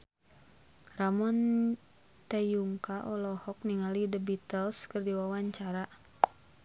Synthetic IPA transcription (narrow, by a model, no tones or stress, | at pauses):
ramɔn | t̪ejuŋkaʔɔlɔhɔk̚niŋalidəbit̪əlskɨrdiwawaɲt͡ʃaɾa